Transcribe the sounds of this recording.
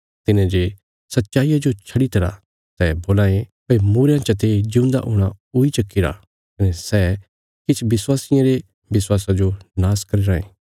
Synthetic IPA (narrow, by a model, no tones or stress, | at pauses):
t̪ɪnẽd͡ʒe | sɐtːʃaːijad͡ʒot͡ʃʰɐɽit̪ɐɾa̰ | sɛboːlaːẽpɐimuːɾjãt͡ʃɐt̪ed͡ʒɪ̃ʊ̃nd̪a̰ʔʊɽ̃a | ʊit͡ʃɐkːɪɾa̰ | kɐnɛsɛ | kɪt͡ʃʰbɪswaːsɪjãɾe | bɪswaːsad͡ʒonaːskɐɾiɾaːḛ̃ː